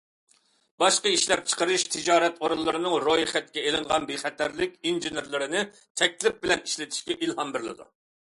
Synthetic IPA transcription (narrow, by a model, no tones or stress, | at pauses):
b̥ɑʃqəiʃlɛp̚t͡ʃʰə̥qəɾɨʃt̪ʰɨd͡ʒɑːɾɛt̪oɾunlˠːɨɾɨnɨŋɾojχɛt̪̚kʲɛelɪɴʁɑnbeχɛt̪ʰæɾlɪkʲinʒineɾlˠɪɾɪnɪ | t̪ʰɛk̚ʲlɪp̚bɪlɛniʃlɪt̪ʰɪ̥ʃkʲɛʔilhɑmbɪɾlˠɨ̰d̪ṵ